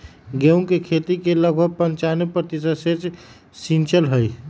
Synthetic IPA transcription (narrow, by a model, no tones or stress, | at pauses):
ɡeũŋkekʰet̪ikeləɡ̚ʱbʱəɡ̚pənt͡ʃanepɾət̪isəd̪set͡ʃ | sint͡ʃəlɦəj